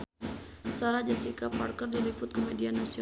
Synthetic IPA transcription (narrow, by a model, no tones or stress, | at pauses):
saɾad͡ʒasikapa̰rkərdilipʊt̪̚kɔmedianasiɔ